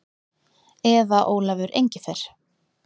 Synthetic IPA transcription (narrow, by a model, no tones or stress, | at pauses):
ɛðaʔoːwlavʏɾʔḛjɲcɪfeɾ̥